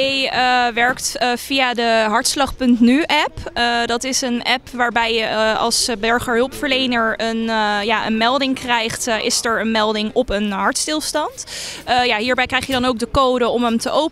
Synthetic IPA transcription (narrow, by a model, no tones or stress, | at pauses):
jəʋɛɹktfijadəɦɑɹtslɑχpɵntnyʔɛpdɑtɪsənɛpʋaːɹbɛjɑ̰lˠsbɛɹχəɹɦɵlˠpfəɹlejnəɹənjaːʔə̰nmɛlˠdɪŋkrɛjχtʔɪsɛɹənmɛlˠdɪŋɔpənɦɑɹtstɪlˠstɑntjaːɦiːɹbɛjkrɛjχjədɑnowk̚dəkoːdəɔməmtəʔowp